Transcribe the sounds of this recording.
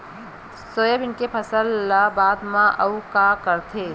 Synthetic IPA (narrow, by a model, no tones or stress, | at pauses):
soːjəbɪnkepʰɐsəlːabaːd̪mãʔɐukakəɾt̪ʰeː